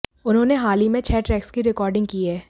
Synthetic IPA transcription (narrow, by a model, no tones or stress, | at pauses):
ʊnɦõːneɦaːlimẽt͡ʃʰɛːʈɾɛːkskiɾɪkɔːɾɖɪ̃ŋɡ̚kiːɦɛː